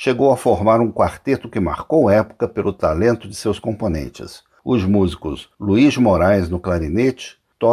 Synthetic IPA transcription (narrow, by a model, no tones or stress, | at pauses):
ʃeɡowɐfoɾmaɾũkwaɾt̪et̪ʊkɪma̰ɾkowɛpʊ̥kɐpelʊt̪alẽnt̪ʊd͡ʒɪsewskõmponḛ̃nt͡ʃɪ̰s | ʊzmuzikʊzluizmoɾajznʊklaɾinet͡ʃɪ̥ | t̪ɔ